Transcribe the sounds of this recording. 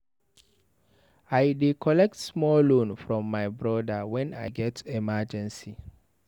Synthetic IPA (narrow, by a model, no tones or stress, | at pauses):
aɪdikʰɔlɛk̚tsmɔlõnfɹɔ̃mːaɪbɹɔdawɛ̃na̰ɪɡɛtɛmad͡ʒɛ̃nsi